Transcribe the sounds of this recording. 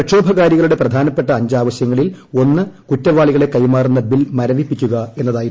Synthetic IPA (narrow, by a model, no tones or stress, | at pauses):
ɐʂo̞ːbʱɐɣaːɾjɐɣɐɭuɽe̞prɐd̪ʱaːnɐpːe̞ʈːɐːɲd͡ʑaːʋɐɕjɐŋːɐɭilo̞nːɨkutːɐʋaːɭiɣɐɭɽe̞kɐjmaːrunːɐbilmɐɾɐʋipːikʲːuɣɐe̞nːɐðaːji